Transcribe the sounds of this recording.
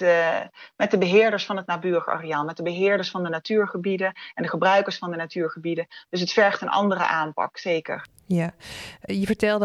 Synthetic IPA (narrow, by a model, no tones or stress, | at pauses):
mɛt̚dəbəɦɪːɹdəɹsfɑnɦətnaːbyːrəχa̰rijaːlˠmɛt̚dəbəɦɪːɹdəɹsfɑndənatyːɹχəbidəʔɛndəχəbrœɥkəɹsfɑndənatyːɹχəbidənd̥ɵs̬ɦətfɛɹχtənʔɑ̰ndərə̰ʔaːmpɑ̰ksejkə̰ɹ | ja | jəvəɹtɛlˠd